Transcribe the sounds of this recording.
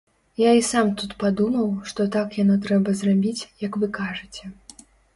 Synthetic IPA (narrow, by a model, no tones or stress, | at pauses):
jaisamt̪ut̪pad̪umɐwʂt̪ɔt̪akjanɔt̪ɾɛbɐzrabʲit͡sʲjɐkvɨkaʐɨt͡sʲɛ